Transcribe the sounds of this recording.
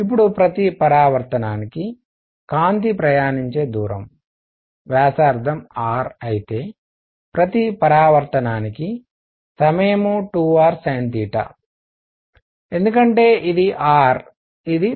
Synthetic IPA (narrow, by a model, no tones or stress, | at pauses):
ip̬ːuɽupɾɐt̪ipɐɾaːʋɐɾt̪ɐnaːniki | kaːnt̪ipɾɐjaːniɲt͡ʃe̞ːd̪uːɾɐ̰m | ʋjaːsaːɾd̪ʰʱɐmaːɾɐjit̪e̞ː | pɾɐt̪ipɐɾaːʋɐɾt̪ɐnaːniki | sɐmɐjɐmuʈuːʋaːɾsaːnt̪iːʈɐ̰ | e̞nd̪ukɐɳʈe̞ːʔid̪iʔaːɾ | id̪i